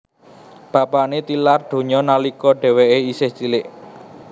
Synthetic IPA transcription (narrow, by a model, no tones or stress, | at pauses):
b̥ä̤paʔnet̪ilarɖ̪̥o̤ɲɔnalikɔɖ̥ɛ̤weʔeisɪhd͡ʒ̥ilɪʔ